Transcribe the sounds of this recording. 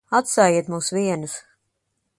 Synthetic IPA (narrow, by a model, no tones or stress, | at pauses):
at̪saːjiɛt̪muːsviɛnus